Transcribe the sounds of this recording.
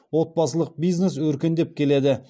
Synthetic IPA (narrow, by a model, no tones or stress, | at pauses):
wo̞t̪̚bɑsəlˠəq̚bijznes̬wɵɾkʲɪnd̪e̞p̚kʲʰe̞le̞d̪ɪ